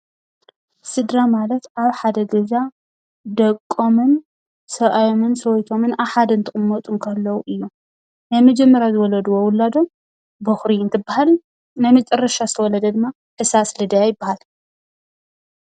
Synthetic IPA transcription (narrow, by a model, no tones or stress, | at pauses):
sɨd̪ɾamalɐt̪ʔaβħad̪ɐɡɐza | d̪ɐkʼːomɨn | sɐʔʼajo̞mɨnsɐwɔjt̪ʰo̞mɨnaħad̪ɐnt̪ʰɨχʼɨmːɐt̪ʼunkʰɐlːɐwuʔɨjːu | najmɐd͡ʒɛmːɐɾjazɨwɔlɐd̪uwowʊlːad̪o̞m | bɨxɾiɨnt̪ʰɨbːahal | najmɨt͡ʃʼɐrːɐʃazɨt̪ʰɐwɔlɐd̪ɐd̪ɨmːa | ħɨsaslɨd̪ajajɪbːahal